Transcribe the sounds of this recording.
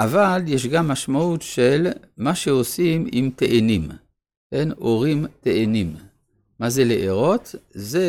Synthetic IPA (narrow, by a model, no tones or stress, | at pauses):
ʔavaljeʃ̬ɡamːaʃmaut̪ʃel | maʃeo̞simḭmt̪eʔenim | eno̞ʁimt̪eʔenim | mazeleʔeʁo̞t̪ze